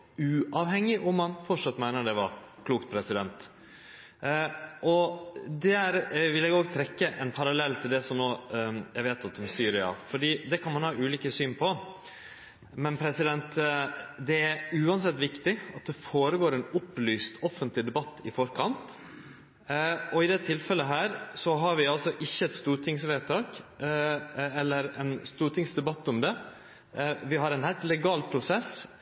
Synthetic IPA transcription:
ʉːʔɑʋhɛŋːɪʔɔmːɑnfɔʈʂɑt̪ːmæɪnəɖ̪ɛʋɑɾkʰluːkt̪̚pʰɾɛsɪd̪ɛnt̪ | ʔɔd̪ɛæɾʋɪlɛːɡoːɡt̪ʰɾɛkːəʔɛnpʰɑɾɑlɛlːt̪ʰɪld̪ɛsɔmnoːjæʋeːt̪ɑt̪ːʊmsyːɾɪɑ̰fɔɖiːd̪ɛkʰɑnmɑnhɑːʉːliːkəsyːnpʰɔ | mɛnpʰɾɛsɪd̪ɛnt̪ | d̪ɛæɾʉːɑns̬ɛt̪ːʋɪkt̪ɪɑt̪̚d̪ɛfoːɾəɡoːɾɛnʊplyːst̪ʰɔfənt̪lɪd̪ɛbɑt̪ːɪfɔɾkʰɑnt̪ | ɔɪd̪ɛt̪ʰɪlfɛlːəɦæːɾsɔɦɑɾʋɪɑlsɔʔɪçːəɛt̪st̪uːʈʰɪŋsʋɛːt̪ʰɑːk | ɛlːəɾɛnst̪uːɾʈ̪ʰɪŋsd̪ɛbɑt̪ːʊmd̪ɛ | ʋɪɦɑɾɛnhæɪlt̪lɛɡɑːlpʰɾʊsɛs

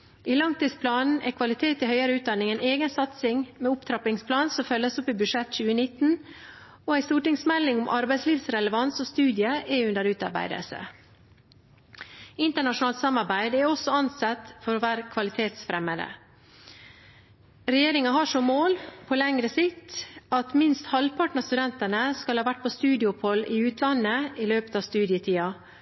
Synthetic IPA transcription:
ʔiːlɑŋt̪iːd̪spʰlɑːnn̩ækʰʋɑlɪt̪ʰeːt̪ɪhœʏəɾəʉːt̪̚d̪ɑnɪŋæɪneːɡənsɑt̪sɪŋmɛʊpt̪ʰɾɑpɪŋspʰlɑːnsɔmfœlːəsʊpːɪbʉʂɛt̪ːt͡ʃʉːənɪt̪ːn̩ | oæɪst̪uːʈɪŋsmɛlːɪŋʊmʔɑɾbæɪsliːʋsɾɛləʋɑnsɔst̪ʉːd̪ɪəʔɛʉnd̪əɾʉːt̪ɑ̰ɾbæ̰ɪd̪ə̰lsə̰ | ɪnt̪əɳɑʂʊnɑːlt̪sɑmːɑɾbæɪd̪æɾɔsɔɑnsɑt̪fɔɾoːʋæːɾkʰʋɑlɪt̪ʰeːt̪sfɾɛməd̪ə̰ | ɾɛjeːɾɪŋɑɦɑʂɔmːoːlpʰɔlɛŋɾəsɪt̪ɑt̪mɪnst̪hɑlpʰɑʈnəst̪ʉd̪ɛnt̪ənəskɑlhɑːʋæʈ̚ːpʰost̪ʉːd̪ɪʊphɔlːɪʉːt̪ʰlɑnːəɪløːpə̥t̪ɑːʋst̪ʉːd̪ɪət̪ʰiːɑ

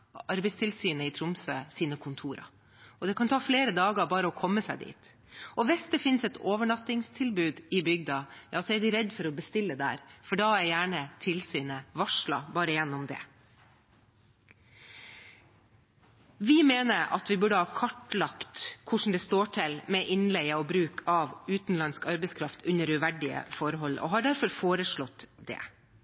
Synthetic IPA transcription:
ɑɾbɛɪst̪ʰɪlsyːnəɪt̪ʰɾʊmsøːsiːnəkʰʊnt̪ʰuːɾɑ̰ | ʔɔd̪ɛkʰɑnt̪ʰɑːfleːɾəd̪ɑːɡəɾbɑːɾəɔkʰɔmːəsæɪd̪ḭːt̪ | ɔʋɪsd̪ɛfɪnsɛt̪ʰoːʋəɳɑt̪ːɪŋst̪ʰɪlbʉːd̪ɪbʏɡd̪ɑjɑːsɔæɖɪɾɛd̪fɔɾɔbəst̪ɪlːəd̪ɛæ̰ːɾfɔɖɑːæɾjæːɳət̪ʰɪlsyːnəʋɑʂlɑ̰bɑːɾəjɛnːɔmd̪ɛ̰ | ʋɪmeːnəɾɑ̰t̪ʋɪbʉɖəhɑːkʰɑʈlɑkt̪kʰʊʂn̩d̪ɛst̪oːʈʰɪlmɛʔɪnlɛɡəɔbɾʉːkʰɑʋʉːt̪nlɑnskɑɾbɛɪskʰɾɑft̪ʰʉnːəɾʉʋæɖɪə̰fɔɾɦɔlʔɔ̰ɦɑɖæɾfɔɾfoːɾəʂɭɔt̪d̪ɛ̰ː

